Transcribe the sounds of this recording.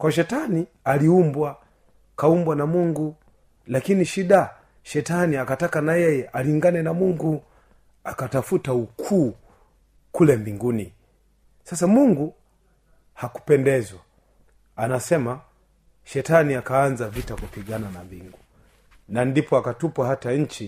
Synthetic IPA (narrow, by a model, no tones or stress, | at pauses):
kwaʃɛtani | aliumbwa | kaumbwanamuŋɡu | lakiniʃiɗa | ʃɛtaniakatakanajɛjɛʔaliŋɡanɛnamuŋɡu | akatafutaukʰuː | kulɛmbiŋɡuni | sasamuŋɡu | haku̥pɛndɛzwa | anasɛma | ʃɛtaniakaːnzavitakupiɠananambḭŋɡu | nandipɔakatupwahataɲ̩t͡ʃi